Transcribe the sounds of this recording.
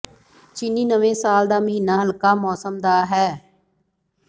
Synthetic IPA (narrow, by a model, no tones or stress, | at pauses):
t͡ʃɪniːnəʋẽːsaːld̪aːməɦiːnaːɦəlkaːmɔːsəmd̪aːɦɛː